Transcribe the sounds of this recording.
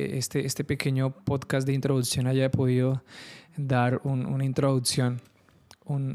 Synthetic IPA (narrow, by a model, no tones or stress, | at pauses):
est̪eest̪epekeɲopod̪kasd̪eint̪ɾoðuksjõnajapoðiðo | d̪aɾunṵnaĩnt̪ɾoðuksjõn | un